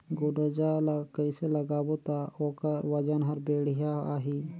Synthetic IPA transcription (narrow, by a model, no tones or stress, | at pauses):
ɡʊɖod͡ʒalakəɪselɐɡaːbot̪aoːkəɾʋɐd͡ʒənɦɐɾbeːɽijaaːɦi